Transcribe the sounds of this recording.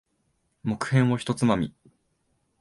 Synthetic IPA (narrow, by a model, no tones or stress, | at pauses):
mo̞kɯ̟̥hẽ̞ɰ̃βoçi̥t̪o̞t͡sɨmamʲḭ